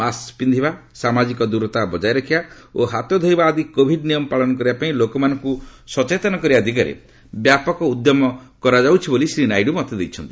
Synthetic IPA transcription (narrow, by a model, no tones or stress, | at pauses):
maspind̪ʱibasamad͡ʒikɔd̪uɾɔt̪abɔd͡ʒajɾɔkʰiba | oɦat̪ɔd̪ʱɔjbaːd̪ikobʱiɖnijɔmɔpaɭɔnɔk̬ɔɾibapaĩlokɔmanɔ̃ŋkusɔt͡ʃet̪ɔnɔkɔɾibad̪ʱik̬aɾḛ | bjapɔkɔud̪jɔmɔkɔɾad͡ʒawt͡ʃʰibolisɾinajɖumɔt̪ed̪ejt͡ʃʰɔnt̪i̥